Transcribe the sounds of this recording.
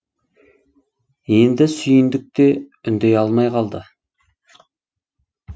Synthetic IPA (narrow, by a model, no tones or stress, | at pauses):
end̪ɪsʏjɪnd̪ɪk̚t̪eʏnd̪ejɑlˠmɑjqʰɑlˠd̪ə